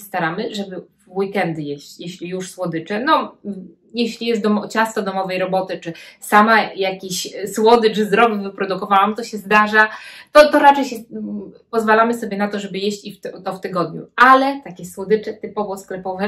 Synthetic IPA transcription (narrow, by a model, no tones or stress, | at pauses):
st̪aɾamɘʐɛbɘvwikɛnd̪ɘjeɕt͡ɕjeɕlʲijuʂswɔd̪ɘt͡ʂɛnɔ | jeɕlʲijɛzd̪ɔmɔt͡ɕast̪ɔd̪ɔmɔvɛjɾɔbɔt̪ɘt͡ʂɘsamajakʲiɕswɔd̪ɘt͡ʂɘzɾɔbvɘpɾɔd̪ukɔvawamt̪ɔɕɛzd̪aʐat̪ɔt̪ɔɾat͡ʂɛjɕɛpɔzvalamɘsɔbʲjɛnat̪ɔʐɛbɘjeɕt͡ɕift̪t̪ɔft̪ɘɡɔd̪ɲṵalɛt̪akʲɛswɔd̪ɘt͡ʂɛt̪ɘpɔvɔsklɛpɔvɛ